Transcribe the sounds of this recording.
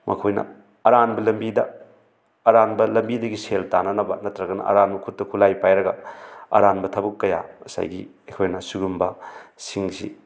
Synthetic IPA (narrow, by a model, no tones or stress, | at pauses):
mʔɐ̰kʰojnɐ̰ | ɐɾanbɐlɐmbidɐː | ɾanbɐlɐmbidɐɡiseltanɐnɐbɐnɐtɾɐɡɐnɐ̰ʔɐ̰ɾanbɐkʰut̚ːɐkʰulajpajɾɐɡɐɐ̰ɾanbɐtʰɐbɐkːɐja̰mɐsa̰jɡḭɐkʰojnɐsuɡumbɐsiŋsḭ